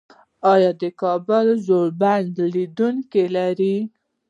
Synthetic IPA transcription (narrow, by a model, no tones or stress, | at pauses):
ɑjɑd̪əkɑbʊlzoɽband̪lid̪uŋkelaɾi